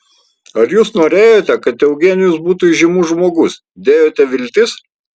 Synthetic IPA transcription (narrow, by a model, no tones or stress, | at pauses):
ɐɾjuːsnoːɾʲeːjoːt̪ʲɛkɐt̪ɛʊɡʲɛːnʲɪjʊsbuːt̪uːɪʒʲɪmuːʒmoːɡʊs | d̪ʲeːjoːt̪ʲɛʋʲɪlʲt̪ʲɪs